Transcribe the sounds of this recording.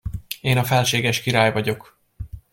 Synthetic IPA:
eːnɒfɛlʃeːɡɛʃkiɾaːjvɒɟo̞k

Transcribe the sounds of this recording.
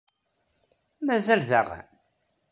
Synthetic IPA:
mæzælðəʁ̰

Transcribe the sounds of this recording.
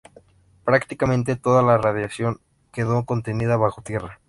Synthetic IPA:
pɾakt̪ikamẽnt̪̬e̞t̪o̞ðalarað̞jasjo̞ŋ | ke̞ðoko̞nt̪e̞niðaβaxo̞t̪je̞ra

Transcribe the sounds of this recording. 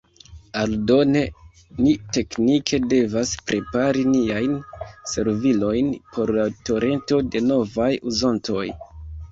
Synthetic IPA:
aldo̞ne̞ | nite̞knikʰe̞de̞vaspɾʔe̞paɾiniajnse̞ɾvilo̞jnpʰo̞ɾlato̞ɾʔe̞nto̞de̞no̞vajuzontʰo̞j

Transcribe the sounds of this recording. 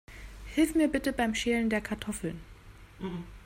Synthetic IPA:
hɪlfmiːɐbɪtəbaɪmʃeːləndeːɐkʰaɐtʰɔfl̩n

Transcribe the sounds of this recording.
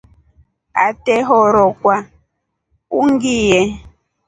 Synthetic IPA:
a̰teɦɔɾɔkʷa | uŋ̩ɡije

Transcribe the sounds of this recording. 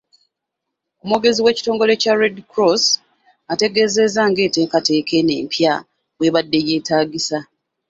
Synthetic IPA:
omoɡe̞ziwe̞ːci̥to̞ːŋɡo̞le̞caɾedkɾos | ate̞ɡe̞ze̞zaŋɡe̞ːte̞ːkate̞ːke̞ne̞̰ːmpja | we̞βadːe̞je̞ːtaːɟisa

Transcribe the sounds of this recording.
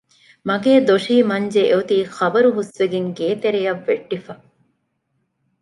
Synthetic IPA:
mɐɡeːd̪oʂiːmɐɲd͡ʒeʔeut̪iːxɐbɐɾuɦusʋeɡeŋɡeːt̪eɾejɐʋːeʈːifɐ

